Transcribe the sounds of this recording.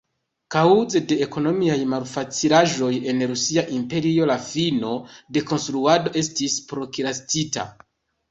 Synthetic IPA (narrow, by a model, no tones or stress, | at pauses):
kawzede̞ːko̞no̞miajmalfat͡silaʒo̞je̞nɾusiaʔimpe̞ɾio̞lafino̞de̞ko̞nstɾuado̞ʔe̞stispɾo̞kilastita̰